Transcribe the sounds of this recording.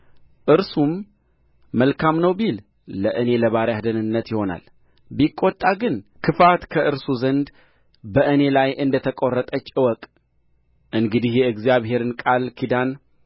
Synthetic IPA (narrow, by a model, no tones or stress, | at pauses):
ʔɨɾsumː | əlkʰamnəwbil | ləʔɨne̞ləβaɾjad̪ənɨnːət̪jɪho̞na̰l | bikʼːot̪ʼːaɡɨnkʰɨfat̪kʰəʔɨɾsuzənd̪ | bəʔɨne̞lajʔɨnd̪ət̪ʰəkʼorːət̪ʼət͡ʃːɨwɔkʼ | ʔɨŋɡɨd̪ihjɛɨɡzjaβhe̞ɾɨnkʼalkʰid̪an